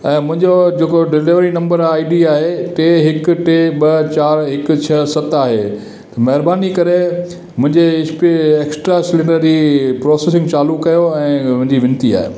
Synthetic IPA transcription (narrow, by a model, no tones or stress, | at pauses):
ɛ̃ːmʊ̃ɦɪ̃ɲd͡ʑod͡ʑeːkoɖɪlɪʋɾinɐ̃mbəɾaːiɖiaːɦeʈeːɦɪkʊ̆ʈeːɓɐt͡ɕaːɾɦɪkʊ̆t͡ɕʰɐsɐt̪aːɦḛ | t̪ɐmɐɦɪɾbaːnikɐɾe | mʊ̃ɦɪ̃ɲd͡ʑeɪspiːksʈɾasɪlɪ̃ɳɖəɾd͡ʑiːpɾɔːseːsɪ̃ŋɡt͡ɕaːlukɐjoɛ̃ːʊ̃ɦɪ̃ɲd͡ʑiʋɪ̃nt̪ia̰ːɦḛː